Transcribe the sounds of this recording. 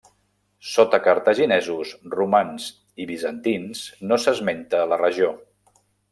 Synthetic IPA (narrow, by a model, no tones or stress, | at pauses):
sot̪əkəɾt̪əʒinɛzusrumanz | iβizənt̪insnosəzment̪əːlərəʒio